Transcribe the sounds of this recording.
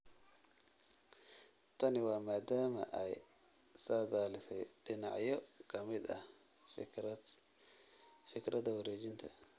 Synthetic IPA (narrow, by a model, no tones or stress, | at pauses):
t̪ʰɐnɪwɑːmaːd̪aːmɐ̰ʔɛj | saːd̪aːlɪsɛjɖɪnɑʕjɔkʰɐmɪd̪ɐ̰h | fɪkɾɐd̪ɐwɐɾɛːt͡ʃɪnt̪ʰɐ